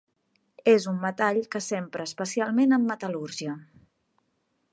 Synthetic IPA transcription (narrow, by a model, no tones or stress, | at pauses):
ezumːət̪aʎkəsempɾəːspəsialˠmenəmːət̪əluɾʒiə